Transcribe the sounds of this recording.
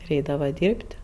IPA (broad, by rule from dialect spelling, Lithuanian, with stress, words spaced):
ɪr ˈɛɪdɐʋɐ ˈdʲiːrʲpʲtʲ